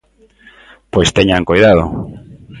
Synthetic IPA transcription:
pojst̪eɲaŋkojðað̞ʊ̰

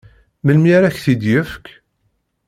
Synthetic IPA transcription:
məlmiɾæçθid̪jəfk

